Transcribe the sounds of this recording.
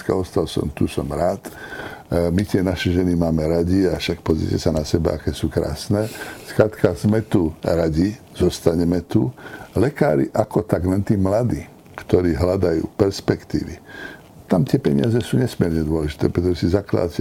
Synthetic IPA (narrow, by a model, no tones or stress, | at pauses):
kaɔst̪alsɔ̰mt̪usɔmɾaːt̪ | mit̪ɪɛnaʃɛʒɛnimaːmɛɾaɟiafʃak̚pɔzɾḭcɛsanasɛba̰akɛːsuːkɾa̰ːsnɛːskɾat̪kazmɛt̪uɾaɟi | z̥ɔst̪aɲɛmɛt̪ulɛka̰ːɾḭʔakɔt̪aɡnɛnt̪imlad̪iː | kt̪ɔɾiːɦlad̪ajṵːpɛɾspɛkt̪ḭːʋḭ | t̪amt̪ɪɛpɛɲɪ̰azɛsuːɲɛsmɪɛɾɲɛd̪ʊɔlɛʒi̥t̪ɛːpɾɛt̪ɔʒɛsizakla̰d̪atɛ